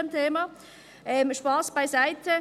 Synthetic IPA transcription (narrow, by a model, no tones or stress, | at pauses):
əmtʰeːmɑ | ʔɛmʃpɑːsb̥aɪsaɪtʰə